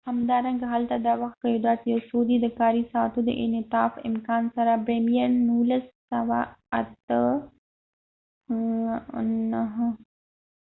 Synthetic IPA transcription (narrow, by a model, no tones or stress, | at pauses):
hamd̪ɑɾaŋɡaɦalt̪ad̪ɑwaxt̪̚kajod̪ɑt̪jasod̪id̪əkɑɾisɑt̪od̪ə̰ʔɪ̰nɪt̪ɑfɪ̰mkɑnsaɾabɾemijannulasːawaat̪ə | naɦə